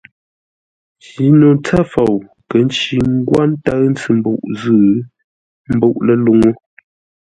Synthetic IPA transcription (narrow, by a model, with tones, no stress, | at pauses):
pi˨˦no˨nt͡sa˦fo˨w | kə˨˦n̩˦t͡ʃi˨ŋ˦ɡwa˦n˦ta˦ɰn̩˦t͡sɨ˦˨m̩˨˦bo̰˨ʔzɨʉ˦˨ | m̩˦bo˦˨ʔlə˦lu˦ŋo˦